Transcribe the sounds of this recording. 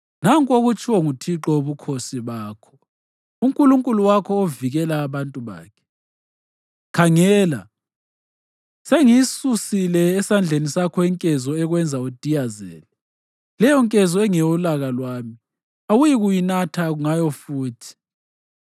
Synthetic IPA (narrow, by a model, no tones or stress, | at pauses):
naŋkʼoɣut͡ʃʰʼiwɔŋutʰiǁɔoβukʰosiβaːkʰɔ̥ | uŋkʼuluŋkʼuluwakʰɔoviɣɛlaːβantʼuβa̰ːkʰɛ̥ | kʰaŋɛːla | seŋisusilɛːsand͡ɮʱenisakʰɔiŋkʼɛzɔɛɣwɛnd͡zʱaud̥ʱijazɛ̰ːlɛ | lɛjɔŋkʼɛzɔɛŋɛjɔlaɣalwaːmi | awujiɣujinatʰaɣuŋajɔfuːtʰi̥